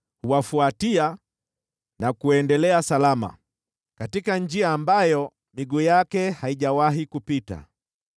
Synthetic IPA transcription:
huwafuatia | nakuɛndɛlɛasalama̰ | katikand͡ʒiaːmbajɔ | miɡujakɛhaiʄawaɦikupita̰

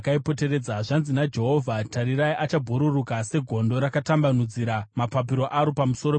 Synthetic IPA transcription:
kaipo̞t̬e̞ɾe̞d͡zaʐanzinad͡ʒe̞ɦo̞vʱataɾiɾaiʔat͡ʃabʱuɾurukase̞ɡʱo̞ndo̞ɾakatambanud͡ziɾamapap̬iɾo̞ʔaɾopamuso̞ɾo

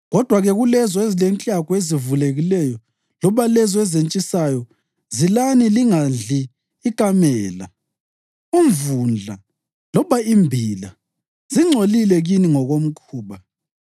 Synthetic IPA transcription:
ɣɔd̥ʱwaɣɛɣulɛzɔezilent͡ɬʼakwezivuleɣilɛjɔ | lɔβalɛzɔɛzent͡ʃʼisajɔ | zilaniliŋand͡ɮiː | kʼamɛːla̰ | uɱvund͡ɮʱa̰ | lɔβaimbʱila̰ | ziŋ͡ǀʱolilɛɣiniŋɔɣom̩kʰuːβa

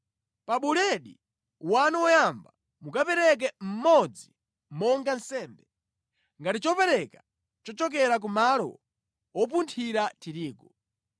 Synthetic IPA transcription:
paɓulɛɗḭ | wanuwɔjamba | mukapɛɾɛk̬ɛm̩mɔd͡zi | mɔŋɡan̩sɛːmbɛ | ŋɡatit͡ʃɔpɛɾɛka | t͡ʃɔt͡ʃɔk̬ɛɾak̬umalɔ̰ | ɔp̬untʰiɾatʰiɾiːkɔ

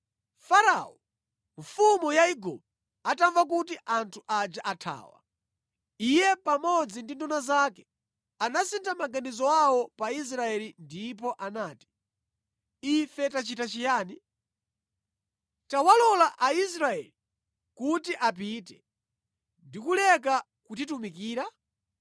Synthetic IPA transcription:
faɾa̰ɔ | ɱfumujaiɡɔ̰b | ataɱvak̬utiʔantʰuʔad͡ʒaʔatʰa̰ːwa̰ | ijɛpamɔd͡zindindunazakɛ̥ | anasintʰamaɡanizɔwawɔpais̬ɾaɛlindipɔʔanaːti̥ | ifɛtat͡ʃitat͡ʃijaːni | tawalɔlaʔais̬ɾaɛ̰li | kutiʔap̬itɛ | ndikulɛka | kutitumikiːɾa

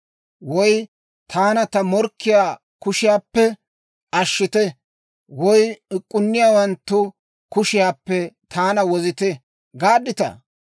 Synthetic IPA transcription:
wɔj | t̪ʰaːnɐt̪ɐmɔɾkːɪjaː | kʊʃɪjaːpːɛ | ɐʃːɪt̪ɛ | wɔjɪkʼːʊnːɪjaːwɐnt̪ːʊ | kʊʃɪjaːpːɛt̪ʰaːnɐwɔzɪt̪ɛ | ɡaːd̪ːɪt̪ɐ̰

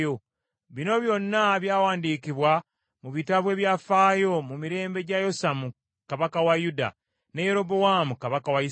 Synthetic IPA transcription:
o | βino̞βjo̞nːaβjaːwaːndiːkiβwa | muβitaβwe̞ːβjafaːjo̞mumiɾe̞ːmbe̞ɟajo̞samu | kaβakawajuda̰ | ne̞je̞ɾo̞bowamukaβakawai

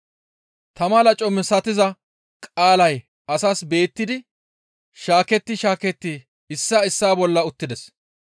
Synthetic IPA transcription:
t̪ɐmɐlɐt͡ʃʼɔmɛsɐt̪ɪzɐ | kʼaːlɐj | ɐsaːsbe̞ːt̪ːɪd̪ɪ | ʃaːkɛt̪ːɪʃaːkɛt̪ːɪ | ɪsːaːɪsːaːbɔlːɐʊt̪ːɪd̪ɛs

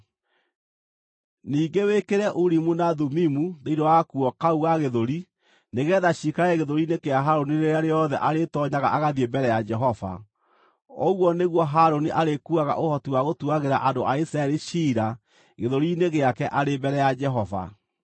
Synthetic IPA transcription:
niːɡewekeɾɛʔuɾimunaðumimuðeidɔwakuɔkauɣaɣeðoɾi | neɣɛːðaɕikaɛɣeðoɾinekeaɦaɾoniɾeɾeaɾeɔðɛʔaɾetɔɲaɣaʔaɣaðiembɛɾɛjad͡ʒɛɦɔva̰ | ɔɣwɔneɣwɔɦaɾoniʔaɾekuaɣa̰ʔohɔtiwaɣotuaɣeɾaʔadoʔaisɾaɛɾiʃiɾa | ɣeðoɾineɣeakɛʔaɾembɛɾɛjad͡ʒɛɦɔva̰

